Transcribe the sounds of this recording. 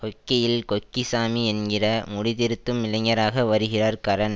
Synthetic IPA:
kɔkːɐjɪlkɔkːisaːmiɛnɡɪrɐmʊɽɪðɪɾɯt̪ːɯmːɪlɐŋːɐɾaːɣɐʋɐɾɯɣɪraːɾkɐɾɐn

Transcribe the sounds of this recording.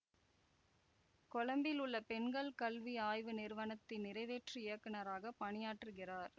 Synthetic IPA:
kɔɭɐmbɪlɯɭːɐpɛɳɡɐɭkɐlʋiaːjʋɯnɪɾʋɐnɐt̪ːɪnɪɾɐɪʋeːʈriɪjɐkːɐnɐɾaːɣɐpɐɳɪjaːʈrɯɣɪraːɾ

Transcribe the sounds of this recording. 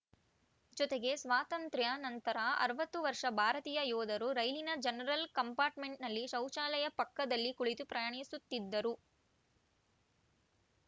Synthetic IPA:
d͡ʒɔt̪eɡe̞sʋaːt̪ɐnt̪ɾjɐnɐnt̪ɐɾɐɐ̰ɾʋɐt̪ːuʋɐɾʂɐbʱaːɾɐt̪iːjɐjɔːd̪ɐɾuɾɐjlinɐd͡ʒɐnɐɾɐlkɐmpaːɾʈmeɳʈnɐlːiʃɐwʃaːlɐjɐpɐkːɐd̪ɐlːikuɭit̪upɾɐjaːɳisut̪ːid̪ːɐɾu

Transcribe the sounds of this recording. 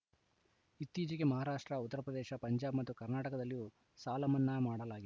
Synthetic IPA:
it̪ːiːd͡ʒɐɡemɐɦaːɾaːʂʈɾɐut̪ːɐɾɐpɾɐd̪ɛːʃɐpɐɲd͡ʒaːbmɐt̪ːukɐɾnaːʈɐkɐd̪ɐlːijuː | saːlɐmɐnːɐmaːɽɐlaːɡi

